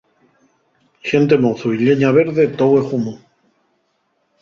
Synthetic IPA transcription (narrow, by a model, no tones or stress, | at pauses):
ʃent̪̬emoθuiʎeɲaβ̞eɾðet̪owexumu